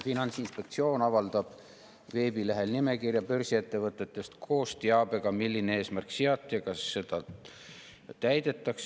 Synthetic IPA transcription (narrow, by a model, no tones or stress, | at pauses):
finɑnt̪sinspe̞k̚t̪sio̞ːnɑvɑld̪̥ɑb̥ | ve̞ːbileɦe̞lnime̞kirjɑpø̞rsie̞t̪ːe̞vɤt̪ːˑe̞t̪ːˑe̞st̪kʰo̞ːst̪iɑbe̞ɡ̥ɑmilːineeːsmærkseɑt̪ˑːiɑkɑsːe̞d̪̥ɑ | t̪æjd̪̥e̞t̪ːˑɑks